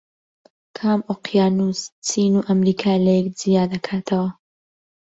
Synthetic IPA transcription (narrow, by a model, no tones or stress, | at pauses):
kʰaːmoqjaːnust͡siːnuːʔɐmɾiːkʰaːlɐjɛkzijaːd̪ɐkʰaːt̪ʰɐwɐ